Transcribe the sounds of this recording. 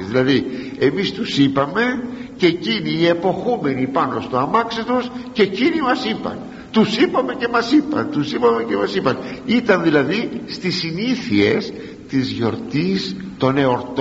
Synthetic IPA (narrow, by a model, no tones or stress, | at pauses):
izðilɐði | e̞mist̪usipɐme̞ | ce̞ciniːe̞po̞xume̞nipɐno̞st̪oɐmɐksit̪osce̞cinimɐsipɐ̰n | t̪usipɐme̞ce̞mɐsipɐ̰nt̪usipɐmecemɐsipɐnit̪ɐnðilɐðist̪isiniθie̞̰s | t̪izʝo̞̰ɾt̪is | t̪o̞ne̞o̞ɾt̪